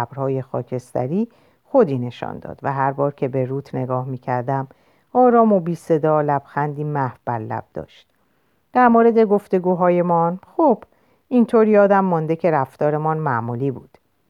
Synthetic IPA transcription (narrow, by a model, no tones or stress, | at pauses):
æbɾhɒːje̞xɒːcʰe̞st̪æ̰ɾiː | xo̞d̪iːne̞ʃɒ̰ːnd̪ɒ̰ːd̪̥væɦæɾbɒːɾcʰe̞be̞ɾuːt̪ʰne̞ɡɒːhmiːcʰæɾd̪æm | ɒːɾɒːmobiːse̞d̪ɒːlæb̥xænd̪iːmæhvb̥æɾlæ̰b̥̚d̪ɒ̰ːʃt̪̚ | d̪̥æɾmoːɾe̞d̪e̞ɡo̞ft̪e̞ɡuːɦɒːje̞mɒnxob̥ | int̪ʰoːɾjɒːd̪æmːɒnd̪e̞cʰe̞ɾæft̪ɒːɾe̞mɒnmæʔmuːliːbuːd̪̥